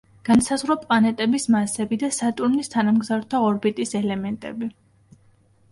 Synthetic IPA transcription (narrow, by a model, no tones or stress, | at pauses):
ɡ̥ansazʁɾɔpʼlˠanɛt̪ʼɛbismasɛbid̪asat̪ʼuɾnist̪ʰanamɡzavɾt̪ʰaɔɾbit̪ʼisɛlɛmɛnt̪ʼɛ̰bi